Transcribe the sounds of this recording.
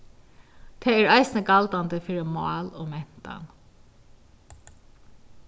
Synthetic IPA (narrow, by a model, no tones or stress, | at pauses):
t̪ʰeːæɹaɪsɪnəkalt̪and̪əfiːɾɪmɑ̰ːloːmɛn̥t̪a̰n